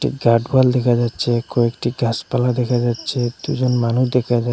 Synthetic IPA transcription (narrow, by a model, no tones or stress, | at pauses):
ʈḭɡaɖbald̪ɛkʰad͡ʒat̪ːt͡ʃʰekoekʈiɡaspalad̪ɛkʰad͡ʒat̪ːt͡ʃʰed̪ṵd͡ʒonmanud̪ɛkʰad͡ʒa